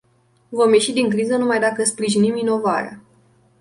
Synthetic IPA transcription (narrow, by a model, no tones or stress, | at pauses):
vo̞mje̞ʃid̪iŋkɾizənumajd̪akəspɾiʒinimino̞vaɾea̰